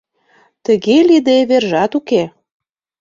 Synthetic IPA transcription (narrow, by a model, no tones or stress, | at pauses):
t̪əɣelid̪eβerʒɑt̪uke